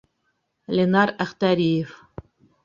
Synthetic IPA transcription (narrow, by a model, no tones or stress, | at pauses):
lʲenɑræχt̪æɾʲijef